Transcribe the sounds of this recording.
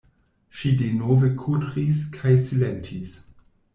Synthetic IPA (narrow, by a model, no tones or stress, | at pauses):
ʃidenovekʰudʁiskʰajsilentʰis